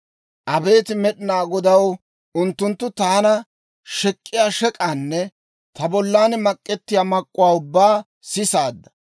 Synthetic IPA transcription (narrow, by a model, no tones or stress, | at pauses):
ʔɐbe̞ːt̪ɪmɛɗɪnaːɡɔd̪ɐw | ʊnt̪ːʊnt̪ːʊt̪aːnɐ | ʃɛkʼːɪjaːʃɛkʼaːnːɛ | t̪ɐbɔlːaːnmɐkʼːɛt̪ːɪjaːmɐkʼːʊwaːʊbːaː | sɪsaːd̪ːɐ̥